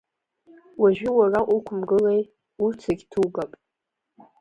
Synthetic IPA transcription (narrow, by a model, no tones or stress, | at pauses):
waʒᶣɪwaraʔʷukʷʰʊmɡɨlej | ut͡sʰaɡʲtʰuɡapʼ